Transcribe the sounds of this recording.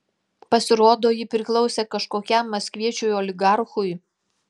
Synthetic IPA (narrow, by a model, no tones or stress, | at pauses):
pɐsʲɪɾoːd̪oːjɪpʲɾʲɪklˠɔʊsʲeːkɐʃkoːkʲɛmːɐsʲkʲʋʲiɛt͡ʃʲujolʲɪɡɑɾxʊj